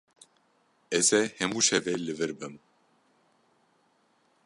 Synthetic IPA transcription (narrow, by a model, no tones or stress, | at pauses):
ɛzɛhɛmuːʃɛvɛlɨvɨɾbɨm